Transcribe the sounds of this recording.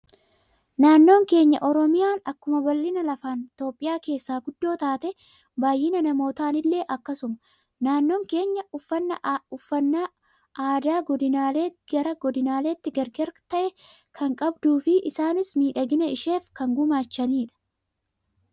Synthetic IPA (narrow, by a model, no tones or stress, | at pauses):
naːnːo̞ːŋke̞ːɲːɐ̰ʔɔɾɔmɪjaːnɐkːʊmɐbɐlːɪnɐlɐfaːnt̪o̞ːpʼːɪjaːke̞ːsːaːɡʊd̪ːo̞ːt̪aːt̪ɛ | baːjːɪnɐnɐmo̞ːt̪aːnɪlːe̞ːʔɐkːɐsʊmɐ | naːnːo̞ːŋke̞ːɲːɐʊfːɐnːɐʊfːɐnːa | aːd̪aːɡɔd̪ɪnaːleːɡ̥ɐɾɐɡɔd̪ɪnaːle̞ːt̪ːɪɡɐɾɡɐɾt̪ɐʔɛ | kʰɐŋkʼɐbd̪uːfɪʔɪsaːnɪsmiːᶑɐɡɪnɐɪʃe̞ːfkɐŋɡʊmaːt͡ʃːɐniːᶑɐ̥